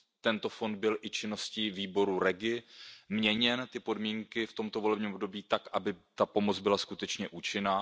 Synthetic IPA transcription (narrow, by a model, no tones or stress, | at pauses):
t̪ɛnt̪o̞fo̞nd̪̚bɪlʔɪt͡ʃɪno̞sciːviːbo̞ɾuɾɛɡɪmɲɛɲɛnt̪ɪpo̞dmiːŋkɪft̪o̞mt̪o̞vo̞lɛbɲiːmbdo̞biːt̪akʔabɪt̪apo̞mo̞t͡sbɪlaskut̪ɛt͡ʃɲɛʔut͡ʃɪnaː